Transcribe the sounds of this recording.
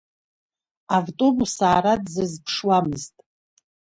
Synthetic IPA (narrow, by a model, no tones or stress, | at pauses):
avtʼo̞busaːɾadzɨzpʰʂwamɨztʼ